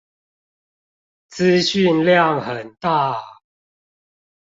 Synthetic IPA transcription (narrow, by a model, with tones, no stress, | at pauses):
t͡sɹ̩˦ɕy˥˨nljɑ˥˨ŋhə˨˩nt̪a˥˨